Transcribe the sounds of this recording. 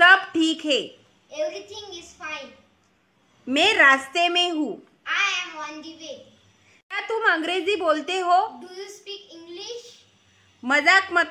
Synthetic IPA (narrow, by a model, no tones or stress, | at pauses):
səbʈʰiːkɦe | eʋɾit̪ʰĩŋizfajn | meɾast̪emeɦuː | ajɛ̃mɔ̃nɖiʋe | ɦat̪uːməŋɡɾed͡ziːbolt̪eɦoɖujuspiːkĩŋɡliʃ | məd͡zakmət̪